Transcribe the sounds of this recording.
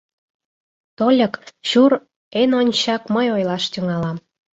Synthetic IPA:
t̪olʲəkɕur | enonʲt͡ɕɑkməjojlɑʃt̪ʲyŋɑlɑm

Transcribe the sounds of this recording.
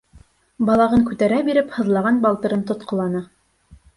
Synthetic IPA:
bɑlˠɑʁɤŋkʉt̪æɾæbiɾɘphɤ̆ðlˠɑʁɑnbɑlˠt̪ɤ̆ɾɤnt̪ŏt̪qʰŏlˠɑnɤ

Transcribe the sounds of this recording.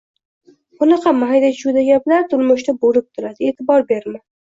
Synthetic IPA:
ʊnɑqʰɑmaɦajd̪ad͡ʒud̪aɡʲablaɾt̪ʰʊlmʊʃt̪aboɾɪp̚t̪ʰʊɾad̪ɪeːt̪ʰɪbɒɾbeɾma

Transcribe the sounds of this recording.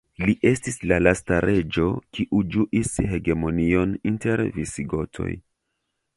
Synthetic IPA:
liʔe̞stislalastaɾʔe̞d͡ʒo̞kiʔud͡ʒuʔishe̞ɡe̞mo̞nio̞ninte̞ɾvisiɡo̞tʰo̞̰j

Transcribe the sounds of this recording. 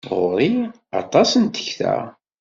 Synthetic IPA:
ʁʊɾˤi | ɑ̰t̪ˤɑsənt̪ə̥çθæ̰

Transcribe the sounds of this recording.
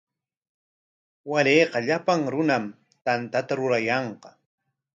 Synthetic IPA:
waɾeːqɑʎapaŋɾʊnam | t̪ant̪at̪aɾʊɾajɑɴqɑ

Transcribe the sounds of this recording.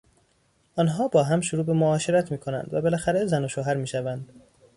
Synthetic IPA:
ʔɒːnɦɒːbɒːɦæmʃoɾuːbemoɒːʃeɾæt̪ʰmiːkʰo̞næ̰nd̪væbe̞læxæɾezænoʃoːɦæɾmiːʃævænd̪̥

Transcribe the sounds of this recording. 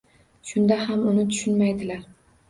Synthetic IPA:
ʃʊnd̪ahamʊnɪt̪ʰʊ̥ʃʊnmajd̪ɪlaɾ

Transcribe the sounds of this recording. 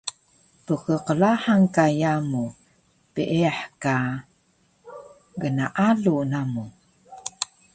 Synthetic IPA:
pəkəqəlaħaŋkajamu | piʔeaħka | ɡənaʔalunamu

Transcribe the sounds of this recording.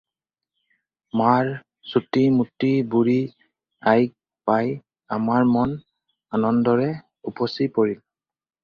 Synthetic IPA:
maɹ | sutimutːibuɹi | ajk̚ | paj | amaɹmɔn | anɔndɔɹɛ | upɔsipoɹil

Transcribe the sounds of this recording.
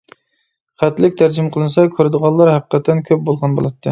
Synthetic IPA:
χæt̪lɪkʲt̪ʰæɾd͡ʒɪmqʰəlˠɨnɨsɑkʲʰøɾɪd̪əʁɑlˠːɑɾhæqə̥qʰːɛt̪ʰːɛnkʲʰøp̚bolˠʁɑnbo̰lˠɑt̪ʰːɨ

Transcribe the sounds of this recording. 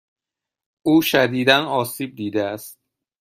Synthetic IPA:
ʔuːʃæd̪iːd̪ænɒːsiːb̚d̪iːd̪eæst̪̚

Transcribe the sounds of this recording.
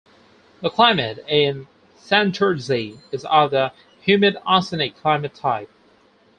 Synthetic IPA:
ðəkʰl̥ãɪ̃mɨɾɪ̃n | sæ̃ntʰə˞ziɨzəvðə | hjʉmɨɾɑsɨnikʰl̥ãɪ̃mɨtʰaɪp̚

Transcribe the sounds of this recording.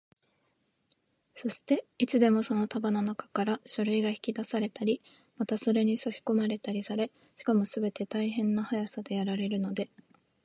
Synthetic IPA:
so̞ɕi̥t̪e̞it͡sɨd̪e̞mo̞so̞no̞t̪abananakḁkaɾaɕoɾɯ̟iɡaçi̥kʲid̪asaɾe̞t̪aɾʲi | mat̪aso̞ɾe̞ɲ̟isaɕi̥ko̞maɾe̞t̪aɾʲisaɾe̞ | ɕi̥kamo̞sɨbe̞t̪e̞t̪aiɦẽ̞nːahajasad̪e̞jaɾaɾe̞ɾɯ̟no̞d̪e̞

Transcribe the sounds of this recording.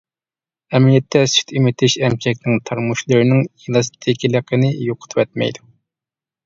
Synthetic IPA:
ɛmijɛt̪ʰːɛsy̥t̪ʰimɪt̪ʰɪʃɛmkʲʰɛkʲnɪŋt̪ʰɑɾmuʃlˠɨɾɨnɪŋilˠɑst̪ʰɪkʲilˠəqʰənɪjoqʰʊ̥t̪ʰɨwɛt̪̚mɛ̰jd̪u

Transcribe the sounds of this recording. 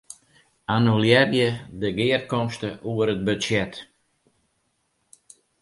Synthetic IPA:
anuljɛrjədəɡɪːərkɔmstəʔuəɾəd̚bøsjɛt

